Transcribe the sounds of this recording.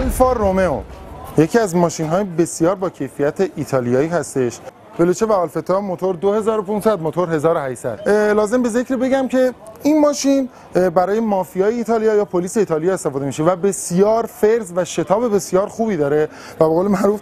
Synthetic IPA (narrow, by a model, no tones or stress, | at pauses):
lfɒːromeo̰je̞cʰiːæzmɒːʃinɦɒːjebe̞sjɒːɾbɒːcʰe̞jfijæt̪ʰeʔiːt̪ʰɒːlijɒːiːɦæst̪e̞ʃ | velot͡ʃʰevæɒːlfe̞t̪ʰɒːmot̪ʰoɾd̪ohe̞zɒːɾopʰunsæd̪̚mot̪ʰoɾɦe̞zɒːɾohæʃsæ̰d̪̥lɒːze̞mbe̞ze̞kɾibe̞ɟæmcʰe̞inmɒːʃin | bæɾɒːje̞mɒːfijɒːjeiːt̪ʰɒːlijɒːjɒːpʰoliːse̞iːt̪ʰɒːlijɒːest̪e̞fɒːd̪e̞miʃevæbe̞sjɒːɾfeɾzvæʃe̞t̪ʰɒːbe̞be̞sijɒːɾxuːbiːd̪ɒːɾe̞ | væbeɣoːlemæʔɾuːf